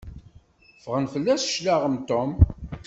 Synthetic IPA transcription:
fəʁənfəlːæsʃlaʁəmt̪om

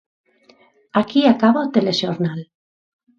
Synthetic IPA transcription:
akiakaβaot̪eleʃoɾnal

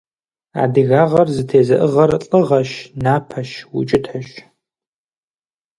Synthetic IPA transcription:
a̰ːdɨɣaːʁɐrzɨtʰeːzɐʔɨʁɐrɬʼɨʁɐʃnaːpʰɐʃwʊ̰t͡ʃʼɪtʰħəʃ

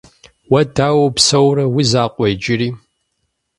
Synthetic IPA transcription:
wɐdaːwɐpsɐwɾɐwizaːqʷʼejd͡ʒɪɾiː

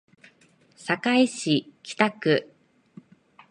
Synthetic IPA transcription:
sakaiɕikʲi̥t̪akɯ̟

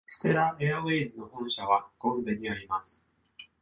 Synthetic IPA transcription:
sɨ̥t̪e̞ɾaʔeaβeːzɨno̞hõ̞ɰ̃ɕaβaɡ̥õ̞mbeɲ̟iaɾʲimasɨ̥

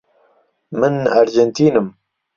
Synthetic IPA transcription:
mɨnaɾd͡ʒɛnt̪ʰiːnɨm

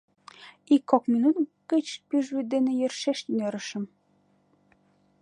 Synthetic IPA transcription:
ikːokminut̪ɡ̥ət͡ɕpyʒβyt̪̚d̪enejərʃeʃt̪yneɾə̆ʃə̆m

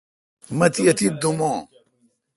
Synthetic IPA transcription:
mɐt̪iɐt̪id̪umõ

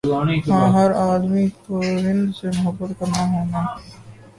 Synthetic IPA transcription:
ɦãːɦɐɾaːd̪mikʊɦɪ̃nd̪semʊɦəbːət̪kɐɾnaɦɛːnãː

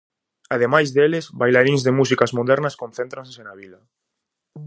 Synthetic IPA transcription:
aðemajzðelɪsbajlaɾiŋzðemusikazmoðɛɾnɐskõnθẽnt̪ɾãnsesenaβila

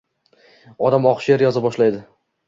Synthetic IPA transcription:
ɒd̪amɒqʃjeɾjɒzabɒʃlajd̪ɪ

